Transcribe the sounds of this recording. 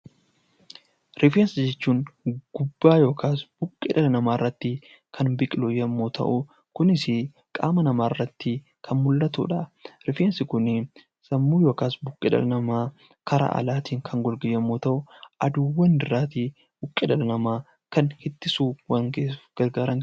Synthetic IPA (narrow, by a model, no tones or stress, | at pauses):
ɾɪfeːnsɪd͡ʒɛt͡ʃːuːŋɡ̥ʊbːaːjo̞ːkʰaːsb̥ʊkʼːɪd̪ɐlɐnɐmaːrːɐt̪ːɪ | kʰɐnbɪkʼɪlʊjɐmːoːt̪ʰɐ̰ʔʊ | kʊnɪsɪ | kʼa̰ːmɐnɐmaːrːɐt̪ːɪ | kʰɐnmʊlːɐt̪ṵːᶑɐɾɪfeːnsɪkʊnɪ | sɐmːuːjo̞ːkaːsbʊkʼːɪᶑ̪ɐ̰lɐnɐmaː | kʰɐɾa̰ʔɐ̰laːt̪iːŋkʰɐŋɡɔlɡɪjːɐmːoːt̪ɐʔʊʔɐd̪uwːɐnd̪ɪɾaːt̪i | b̥ʊkʼːɪd̪ɐlɐnɐmaː | kɐnhɪt̪ːɪsuːwɐŋɡeːɡ̥ɐɾɡaːɾɐŋ